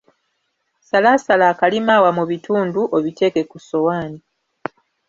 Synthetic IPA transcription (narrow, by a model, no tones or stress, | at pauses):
salasalaːkalimaːwamuβituːnduʔoβite̞ke̞kuso̞waːni